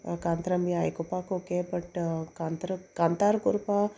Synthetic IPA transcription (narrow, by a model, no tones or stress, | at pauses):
kaːnt̪ɾɐmjaːjkʊpakokebɐʈkant̪ɾkãnt̪aːɾkʊɾpa